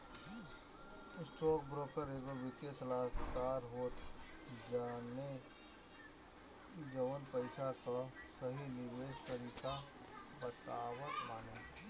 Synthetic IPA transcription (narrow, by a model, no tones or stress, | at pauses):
ɪsʈoːk̚bɾoːkəɾeːɡobɪt̪jesəlaːkaːɾɦoːt̪ | d͡ʒaːne | d͡ʒəʋənpəɪsakasəɦinɪʋeːst̪əɾika | bət̪aːwət̪maːne